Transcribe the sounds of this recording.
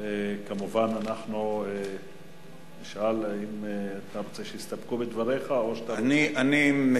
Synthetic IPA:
ekamuvananaχnue | niʃʔalaimeat̪aʁot͡seʃeist̪apkubed̪vaʁeχaoʃat̪aniʔanim

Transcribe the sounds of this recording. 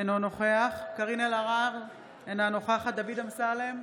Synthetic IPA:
enonoχeaχkaʁinelaʁaʁ | enanoχeaχat̪d̪avid̪amsalem

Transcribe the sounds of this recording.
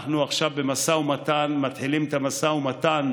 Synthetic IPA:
χnuaχʃavbemasaumat̪anmat̪ħilimet̪amasaumat̪an

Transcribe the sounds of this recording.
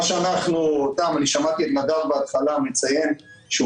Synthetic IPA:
ʃeanaχnut̪amaniʃamat̪iet̪madavbeat̪χalamet͡saje̞m | ʃ

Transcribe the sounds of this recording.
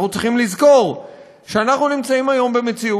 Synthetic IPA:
nut͡sʁiχimlizko̞ʁ | ʃeanaχnunimt͡saimajo̞mbe̞me̞t͡siu

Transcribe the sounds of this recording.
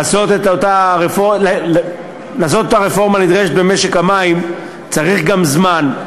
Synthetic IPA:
aso̞t̪et̪ot̪aʁefoll | laːsot̪ot̪aʁefo̞ʁmanid̪ʁeʃ̬et̪̚be̞me̞ʃekamaim | t͡saʁiχɡamzman

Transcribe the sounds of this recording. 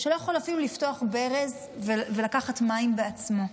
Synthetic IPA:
ʃelo̞jaχo̞lafilulifto̞aχbe̞ʁez | vevelakaχatmaimbeat͡smo̞

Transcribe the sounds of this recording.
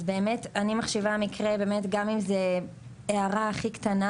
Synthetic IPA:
zbe̞ːme̞tanimaχʃivaamikʁebe̞ːmetɡamimze | eaʁaːχiktana

